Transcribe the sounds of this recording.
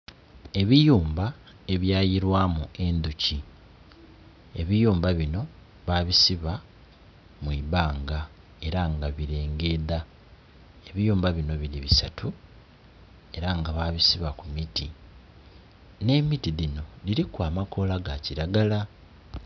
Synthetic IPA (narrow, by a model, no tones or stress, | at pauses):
e̞βijuːmba | e̞βjaːjiɾwaːmue̞nd̪uci | e̞βijuːmbaβino̞ | βaːβisiβa | mwiːβaːŋɡa | e̞ɾaŋɡaβiɾe̞ːŋɡe̞ːða | eβijuːmbaβino̞βiɾiβisatʰu | e̞ɾaŋɡaβaːβisiβakumiti | ne̞mitiðino̞liɾikwaːmako̞laɡaciɾaɡala